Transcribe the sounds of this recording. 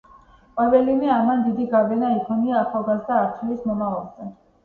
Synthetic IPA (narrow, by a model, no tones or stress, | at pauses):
qʼwɛvɛlivɛamand̪id̪iɡavɛnaikʰɔniaːχalˠɡazd̪aːɾt̪ʰilismɔmavalˠzɛ